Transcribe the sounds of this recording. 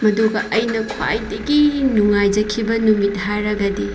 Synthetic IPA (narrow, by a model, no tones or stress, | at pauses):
mɐduɡɐʔɐjnɐkʰwa̰jdɐɡinuŋajd͡ʒɐkʰibɐnumit̚haɾɐɡɐdi